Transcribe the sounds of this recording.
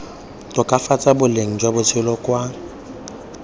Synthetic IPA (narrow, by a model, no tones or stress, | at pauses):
tʼʊkʼafat͡sʼabʊleŋ̩d͡ʒwabʊt͡sʰɪlɔkʼwa